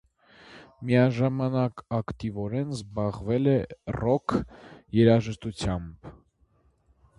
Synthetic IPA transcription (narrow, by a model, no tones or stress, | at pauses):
mijɑʒɑmɑnɑkɑkt̪ivɔɾɛnzbɑʁvɛlɛrɔkʰjɛɾɑʒəʃt̪ut͡sʰjɑmb̥